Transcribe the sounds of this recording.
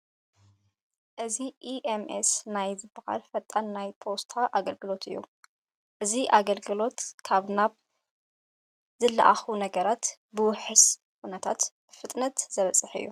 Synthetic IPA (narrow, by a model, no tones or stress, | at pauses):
ʔɨziʔiʔemʔḛsnajzɨbɨxa̰lfɐt̪ʼanːajpʰo̞st̪ʰaʔaɡɐlɡɨlo̞t̪ʰɨ̰jːṵ | ʔɨziʔaɡɐlɡɨlo̞t̪kʰaβnaβ | zɨlːa̰ʔaxunɐɡɐɾat̪ | bɨwʊħɨs | kʰunɐt̪ʰat̪ | fɨt̪ʼnɐt̪z̥ɐβɐt͡sʼɨħɨ̰jːu